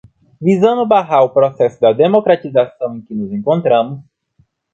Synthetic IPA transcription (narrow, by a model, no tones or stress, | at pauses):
vizɐ̃nd̪ʊbaɦaɾʊpɾosɛsʊd̪ɐd̪emokɾat̪izasɐ̃w̃ẽj̃kɪnʊzẽkõnt̪ɾɐ̃mʊs